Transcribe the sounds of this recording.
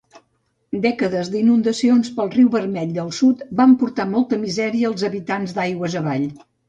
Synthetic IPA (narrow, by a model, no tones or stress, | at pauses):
d̪ɛkəðəzd̪inund̪əsionspəlˠriwβərmɛʎd̪əlˠsut̪bampuɾt̪amɔlˠt̪əmizɛɾiəːlˠzəβit̪anzd̪ajɣwəzəβaʎ